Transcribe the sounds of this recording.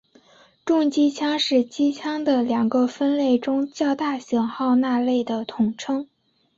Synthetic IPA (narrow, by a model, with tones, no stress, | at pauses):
ʈ͡ʂʊ˥˩ŋt͡ɕi˥t͡ɕʰjɑ˥ŋʂɻ̩˥˩t͡ɕi˥t͡ɕʰjɑ˥ŋd̪ə˨ljɑ˨˩ŋɡə˧fə˥nle˥˩ɪʈ͡ʂʊ˥ŋt͡ɕjɑ˥˧ʊt̪a˥˩ɕjɑ˨˩ŋxɑ˥˧ʊna˥˧le˥˩ɪd̪ə˩t̪ʰʊ˨˩ŋʈ͡ʂʰɤ˥ŋ